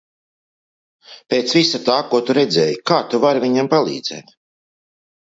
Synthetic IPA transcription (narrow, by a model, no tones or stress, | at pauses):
pʲeːt̪svisat̪aːkuɔt̪uɾɛd̪zɛːjikaːt̪uvaɾviɲampalˠḭːd̪z̥ḛːt̪